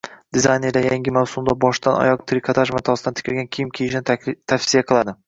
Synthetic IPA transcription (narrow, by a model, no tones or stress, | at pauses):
d̪̥ɪzajneɾd̪ajaŋɡʲɪmawsʊmd̪abɒʃd̪anɒ̰jɒq̚t̪ʰɾɪkʰat̪ʰaʃmat̪ʰɒsɪd̪ant̪ʰɪ̥kʲʰɪɾɡʲankʲʰijɪmkʲʰejɪʃɪnɪt̪ʰafsijaqʰɨlˠad̪ɪ